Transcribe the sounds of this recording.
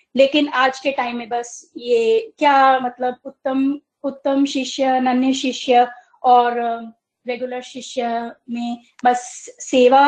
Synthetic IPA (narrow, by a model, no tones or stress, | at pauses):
leːkɪnaːd͡ʒkeʈaːɪĩmːẽbɐsjekjamɐt̪ləbʊt̪ːəm | ʊt̪ːəmʃɪʃjənɐnjəʃɪʃjə | ɔːɾ | ɾeɡjuləɾʃɪʃjəmẽ | bɐsːeːʋa